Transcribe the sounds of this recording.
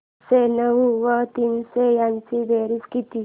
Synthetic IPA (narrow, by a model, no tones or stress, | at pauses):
senəʋuʋət̪insejant͡sib̪eɾit͡skit̪i